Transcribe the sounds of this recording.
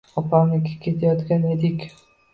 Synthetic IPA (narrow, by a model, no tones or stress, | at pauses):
ɒpʰanɪkʲakʲʰe̞t̪ʰajɒt̪kʲaned̪ɪkʲ